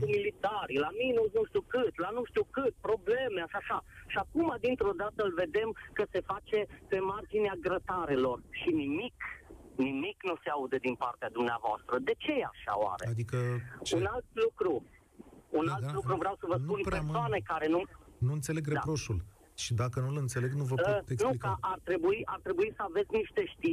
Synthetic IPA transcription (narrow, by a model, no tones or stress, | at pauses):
umilit̪aɾilaminusnuʃt̪iukɨt̪lanuʃt̪ukɨt̪̚pɾo̞ble̞meaʃaʃaʃiakumad̪int̪ɾo̞d̪at̪əɨlʲve̞d̪e̞mkəse̞fat͡ʃe̞pe̞mard͡ʒineaɡɾət̪aɾe̞lo̞rʃinimik | nimiknuseaud̪ed̪inpart̪ead̪umnea̰voa̰st̪ɾəd̪e̞t͡ʃe̞jea̰ʃa̰oa̰ɾead̪ikəunalt̪lukɾu | unalt̪lukɾuvɾeawsəvəsnuunpɾemsoanekaɾe̞nunuɨnt̪se̞leɡɾeapɾo̞ʃul | ʃid̪akənulɨnt̪se̞le̞ɡnuvəpt̪enuikaʔart̪ɾe̞buiʔart̪ɾe̞buisəave̞t̪sʲniʃt̪e̞ʃt̪i